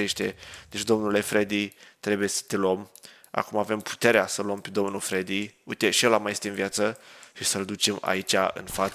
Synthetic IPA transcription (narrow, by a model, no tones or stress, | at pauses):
eʃt̪ḛd̪̥et͡ʃd̪o̞mnulefɾed̪it̪ɾe̞buje̞sə̥t̪e̞luom | a̰kumave̞mpʰu̥t̪e̞ɾeasəluompe̞d̪o̞mnufɾed̪iujt̪e̞ʃielamajest̪eɨnvijat̪səʃisəld̪ut͡ʃe̞ma̰it͡ʃʲaɨ̰nfa